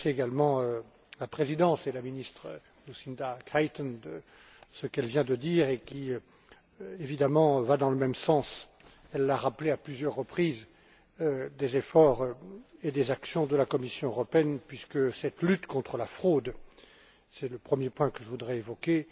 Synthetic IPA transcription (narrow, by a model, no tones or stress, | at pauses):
sɛeɡalmɑ̃ø | lapχezid̪ɑ̃selaminist̪χə | lusind̪akajt̪ɔnə | səkɛlvjɛ̃d̪əd̪iːʁekʲi | evid̪amɑ̃vad̪ɑ̃ləmɛmsɑ̃s | ɛlːaʁapleaplyzjœʁːəpχiz | d̪ezefɔʁed̪ezaksjɔ̃d̪əlakɔmisjɔ̃øʁɔpeɛnpɥiskəsɛt̪lyt̪kɔ̃t̪χəlafχod̪ | sɛləpχəmjepwɛ̃kəʒəvud̪ʁɛevɔkʲe